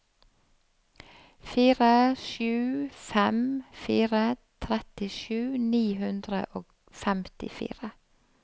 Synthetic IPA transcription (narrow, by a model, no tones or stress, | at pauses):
fiːɾəʃʉːfɛmfiːɾət̪ʰɾɛt̪ɪʃʉːniːhʉnd̪ɾə̰ʔoːɡ | fɛmt̪ɪ̰fḭːɾə